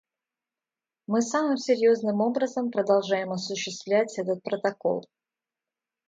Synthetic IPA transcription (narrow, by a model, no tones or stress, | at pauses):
mɨsamɨmsʲɪɾʲjo̞znɨmo̞bɾəzəmpɾəd̪ɐlˠʐajɪmɐsʊɕːɪst̪vlʲæt͡sʲɛt̪ət̪̚pɾət̪ɐko̞̰lˠ